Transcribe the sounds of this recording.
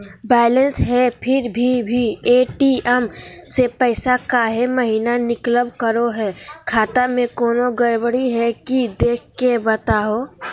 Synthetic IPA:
bɛːɪlə̃nsɦɛpʰɪɾbʱibʱieːʈiɛmsepɛɪsakaːɦeməɦiːnanɪkləbkəɾoɦɛːkʰaːt̪amẽkoːnoɡəɾbəɽiɦɛkid̪eːkʰkːebət̪aːɦoː

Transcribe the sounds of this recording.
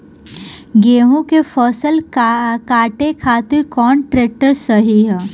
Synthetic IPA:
ɡeːɦõkefʰɔːsəlkaːʈekʰaːt̪ɪɾkɔːnʈɾeːk̚ʈəɾsəɦiɦɛː

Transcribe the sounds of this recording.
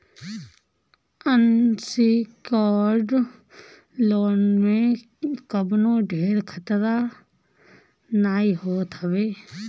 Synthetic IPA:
ənsikaːɾɖ | loːnmẽ | kəbnoːɖʱeːɾkʰət̪ɾa | naːiɦoːt̪əʋeː

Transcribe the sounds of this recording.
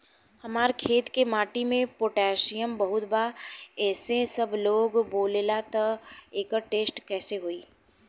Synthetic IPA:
hɐmaːɾkʰeːt̪kemaːʈimẽpoːʈɛːʃijəmbɐɦʊt̪baɛːsesɐbʱloːɡboːleːlat̪ɐeːkəʈeːsʈkɛːseɦoiː

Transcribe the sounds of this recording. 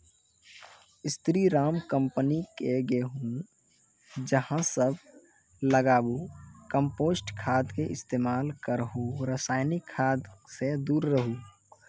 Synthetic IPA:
ɪst̪ɾiɾaːmkəmpənikeɡeɦũ | d͡ʒəhãsəbʱ | ləɡaːbukəmpoːsʈkʰaːd̪keʔɪst̪eːmaːlkəɾɦoɾəsaːɪnikʰːaːd̪sed̪uːɾːəɦu

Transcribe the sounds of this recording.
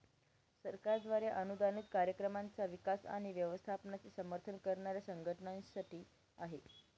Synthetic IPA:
səɾkaɾd̪ʋaɾjaʔənud̪anit̪kaɾjəkɾəmant͡saʋikasa̰ɽ̃iʋjəʋəst̪ʰapnat͡sisəməɾt̪ʰənkəɾɳaɾjasəŋɡʱəʈəɳansaʈiː | aɦe

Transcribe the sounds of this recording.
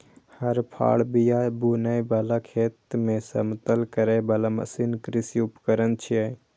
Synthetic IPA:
həɾpʰa̰ɭbijabunəjbəlakʰet̪mesə̰mt̪əlkəɾɛbəlamə̰sinkɾisiupəkəɾənt͡ʃʰiə

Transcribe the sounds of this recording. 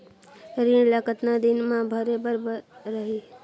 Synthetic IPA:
ɾiɳlakət̪nad̪ɪnmãbʱəɾebəɾbəɾəɦi

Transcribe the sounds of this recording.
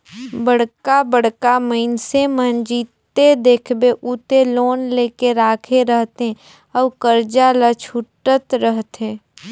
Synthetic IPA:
bəɽ̤kabəɽ̤kaməɪnsemənd͡ʒiːt̪ːed̪eːkʰbeʔut̪eloːnleːkeɾaːkʰeɾəɦt̪ɦe | ɔːkəɾd͡ʒalat͡ʃʰuʈət̪ɾəɦt̪ẽː

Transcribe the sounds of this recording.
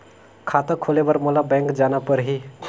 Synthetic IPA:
kʰaːt̪əkʰoːlebəɾmolabɛ̃ːŋkd͡ʒaːnapəɾɦi

